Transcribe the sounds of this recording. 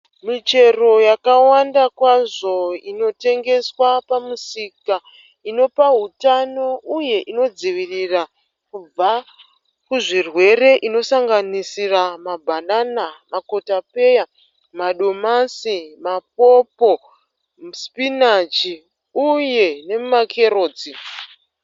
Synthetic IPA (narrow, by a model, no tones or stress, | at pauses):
mit͡ʃe̞ro̞jakawandakwaʐo̞ino̞te̞ŋɡe̞swapamusika | ino̞paɦutano̞uje̞ʔino̞d͡ziʋirira | kub͡va | kuʐirwe̞re̞ʔino̞saŋɡanisiramabʱananamako̞tape̞ja | maɗo̞masimap̚o̞po̞ | uspinat͡ʃi | uje̞ne̞mumakʰe̞ro̞ːd͡zi